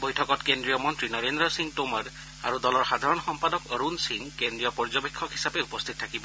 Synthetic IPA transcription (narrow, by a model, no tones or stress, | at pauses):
bɔjtʰɔkɔtkendɹijɔmɔntɹinɔɹendɹɔsiŋtomaɹ | a̰ɹudɔlɔɹxad̪ʱaɹɔnxɔmpadɔkɔɹunsiŋkendɹijɔpɔɹzɔbekʰːɔkɦisapeupɔst̪ʰit̚tʰakibɔ